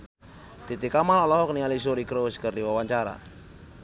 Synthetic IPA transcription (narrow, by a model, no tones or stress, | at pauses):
t̪it̪ikamanɔlɔɦɔk̚niŋalisuɾikɾoskərdiwawaɲt͡ʃaɾa̰